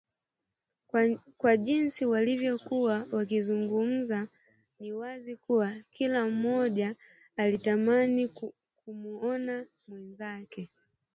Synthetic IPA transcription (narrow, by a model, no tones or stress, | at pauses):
kwaʄinsiwalivjɔkuwawakizuŋɡum̩za | niwazikuwakilam̩ːɔʄaː | litamani | kumuɔna | mwɛnzakɛ